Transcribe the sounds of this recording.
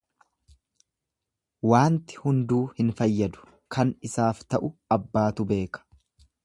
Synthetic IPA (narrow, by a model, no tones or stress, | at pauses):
waːnt̪ɪ̥hʊnd̪uːhɪnfɐjːɐd̪ʊ̥ | kʰɐnɪsaːft̪ɐʔʊɐbːaːt̪ʊbe̞ːkɐ̥